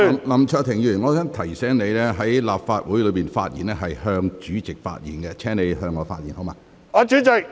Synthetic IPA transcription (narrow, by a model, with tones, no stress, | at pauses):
lɐ˨˩mt͡ʃʰœː˧t̪ʰɪ˨˩ŋjyː˨˩nŋɔː˨˧sœː˥ŋt̪ʰɐ˨˩jsɛː˨˥ŋne˨˧jlɛː˥ɦɐ˨˥jlaː˨p̚faː˧t̚wu˨˥jlɵ˨˧jpiː˨˩nfa̰ː˧t̚jiː˨˩nɛː˥ɦɐ˨jhœː˧ŋt͡ʃyː˨˥t͡sɪ˨k̚fa̰ː˧t̚jḭː˨˩nkɛ˧t͡sʰɛː˥ŋne˨˧jɦœː˧ŋːɔː˨˧faː˧t̚jḭː˨˩nho˨˥wmaː˧ | ɔː˨˧t͡ʃyː˨˥t͡sɪ˨k̚